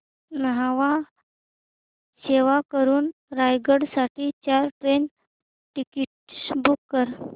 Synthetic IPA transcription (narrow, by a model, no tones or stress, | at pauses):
nəɦaʋa | ɕeʋakəɾuːnɾajɡəɽsaʈiːt͡ɕaɾʈɾen | ʈikiʈ̚bukːəɾ